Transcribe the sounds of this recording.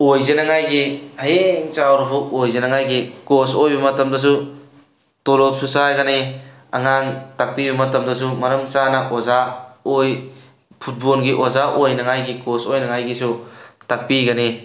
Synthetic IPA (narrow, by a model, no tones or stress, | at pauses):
ojzenaŋajɡihaeŋt͡ʃawɾupʰuʔojzenaŋajɡikosojbɐmɐtɐmdɔs̬u | tɔlop̚sʰusajɡane | a̰ŋaŋtak̚pibɐmɐtɐmdɔsumɐɾɐmt͡ʃanɐʔozaoj | pʰut̚bolɡiʔozaʔojnɐŋajɡikosojnɐŋajɡisutak̚piɡane